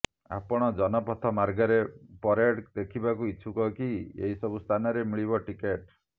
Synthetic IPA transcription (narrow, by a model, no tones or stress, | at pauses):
a̰pɔɽ̃ɔd͡ʒɔnɔpɔt̪ʰɔmaɾɡɔɾepɔɾeɽd̪ekʰibakuiʃʰukɔkiḛɦisɔbust̪ʰanɔɾemiɭiβɔʈikeʈ